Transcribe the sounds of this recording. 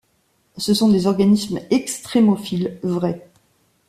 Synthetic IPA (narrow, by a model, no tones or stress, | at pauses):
səsɔ̃d̪ezɔʁɡanismɛkst̪χemɔfilvʁɛ